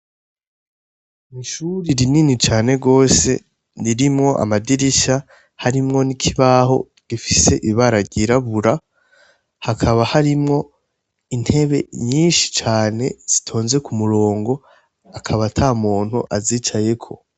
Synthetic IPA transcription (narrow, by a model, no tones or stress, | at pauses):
niʃuɾiɾininit͡ʃaːne̞ɡo̞ːse̞̰ | niɾimŋo̞ʔa̰madiɾiʃa | haɾimŋo̞nikʰiβaho̞̰ | ɡ̥ifise̞ʔiβaɾaɡɟiɾaβuɾa | hakʰaβahaɾimŋo̞ | in̥he̞βe̞̰ɲiːnʃi̥t͡ʃaːne̞̰z̥itʰo̞ːnze̞kumuɾo̞ːŋɡo̞ | akʰaβatʰamuːn̥huʔaziːt͡ʃaje̞kʰo̞̰